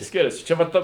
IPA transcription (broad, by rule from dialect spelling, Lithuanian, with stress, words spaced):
ˈsʲkʲɪrʲɛsʲɪ ˈt͡ʃʲɛ ʋɐ ˈtɐ